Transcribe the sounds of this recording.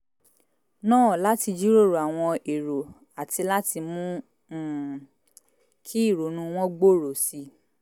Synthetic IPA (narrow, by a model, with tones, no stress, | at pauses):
nãː˦˨la˦ti˧d͡ʒi˦ɾo˦˨ɾo˨a˨w̃ɔ̃˧e˨ɾo˨ | a˨ti˧la˦ti˧mũ˦˨ | kʰi˦i˦˨ɾo˨nũ˧w̃ɔ̃˦ɡ͡bo˦˨ɾo˨si˧˦